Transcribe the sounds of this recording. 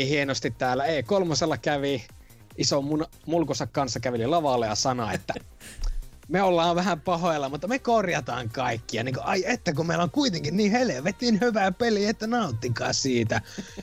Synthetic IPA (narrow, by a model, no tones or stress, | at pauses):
ihienost̪it̪t̪æːlːæeˑikolmɑselːɑkæʋi | ʔisomun | mulkusɑkkɑnsːɑkæʋililɑʋɑlːejɑsɑno̰ḛt̪ːæ | meolːɑːʋʋæhæmpɑhoelːɑmut̪ːɑmekorjɑt̪ɑ̰ːŋkɑikːiɑ̰niːŋkoʔɑiet̪ːækumeˑilːoŋkuit̪eŋkinniːheleʋet̪ninhyʋæːpeliet̪ːænɑut̪ːikɑ̰ːsiːt̪æ